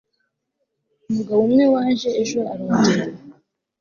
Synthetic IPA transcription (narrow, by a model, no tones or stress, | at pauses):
umuɡawomŋewaːnʒeːʒoaɾuːndiwe